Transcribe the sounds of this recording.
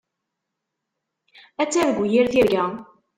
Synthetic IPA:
æt͡sːæðɡujiɾθiɾɡæ

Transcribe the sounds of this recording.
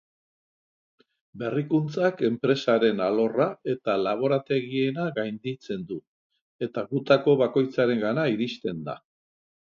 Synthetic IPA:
be̞rikunt͡sake̞mpɾe̞saɾe̞nalo̞rae̞t̪alaβ̞o̞ɾat̪e̞ɣie̞naɣajnd̪it͡se̞nd̪u | e̞t̪aɣut̪ako̞βako̞jt͡saɾe̞ŋɡanaiɾist̪e̞nd̪a̰

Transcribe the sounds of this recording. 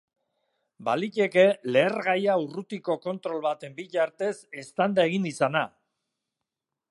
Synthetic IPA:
balice̞ke̞le̞ːɾɣajaurut̪iko̞ko̞nt̪ɾo̞lβat̪e̞mbiʎaɾt̪e̞se̞st̪and̪ae̞ɣinisana

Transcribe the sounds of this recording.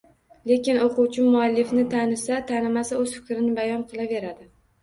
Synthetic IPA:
le̞kʲɪnoquwt͡ʃʰɪmʊalːɪfnɪt̪ʰanɪsat̪ʰanɪmasaɵzfɪ̥kʲɾɪnɪbajɒnqʰɨlˠave̞ɾad̪ɪ

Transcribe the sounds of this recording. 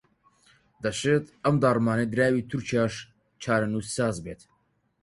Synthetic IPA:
d̪ɐʃeːt̪ɐmd̪ɑːrmɑːned̪ɨɾæːwiːt̪ʰuɾt͡ʃʰijɑːʃ | t͡ʃʰɑːɾanusɑːzbeːt̪

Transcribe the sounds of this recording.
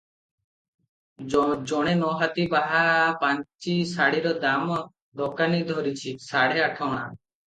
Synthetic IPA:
d͡ʒɔɽ̃enɔɦat̪ibaɦapant͡ʃisaɽiɾɔd̪amɔ | d̪ɔkanid̪ʱɔɾit͡ʃʰisaɽ̤eaʈʰawɽ̃a̰

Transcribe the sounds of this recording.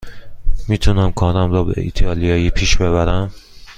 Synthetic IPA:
miːt̪ʰunæmkʰɒːnæmɾɒːbḛḭt̪ʰɒːlijɒːjiːpʰiːʃbeβæɾæm

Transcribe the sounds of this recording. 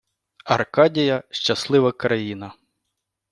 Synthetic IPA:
ɐrkɑdʲijɐʃt͡ʃɐslˠɪʋɐkɾɐjinɐ

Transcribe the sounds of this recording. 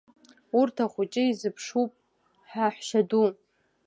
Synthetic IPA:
urtʰaχʷʊt͡ʃʼɪizɨpʰʂupʼ | ħaħʷʃadu

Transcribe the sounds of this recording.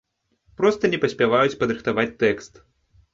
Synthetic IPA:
pɾɔst̪ɐnʲɛpɐsʲpʲavajut͡sʲpɐd̪ɾɨxt̪avat͡sʲt̪ɛkst̪

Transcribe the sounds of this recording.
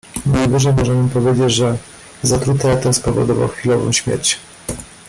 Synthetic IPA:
najvɘʐɛjmɔʐɛmɘpɔvʲjed͡ʑed͡ʑʐɛ | zat̪ɾut̪ɛt̪ɛspɔvɔ̰d̪ɔva̰wxfʲilɔvɔ̰̃w̃ɕmʲjḛɾt͡ɕ

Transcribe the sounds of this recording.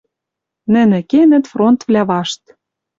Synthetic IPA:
nɘ̆nĕkenɘ̆t̪front̪vlʲæβɑʃt̪

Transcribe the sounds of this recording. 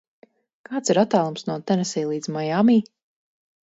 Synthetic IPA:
kaːt̪siɾat̪ːaːlˠumsnuɔt̪ɛnɛsɛjlˠiːd̪zmajamiː

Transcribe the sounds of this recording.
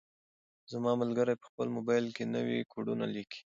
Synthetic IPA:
zamɑməlɡəɾajpə̥xpəlmʊbɑjlkenəwḭkʰoɽuna̰liki̥

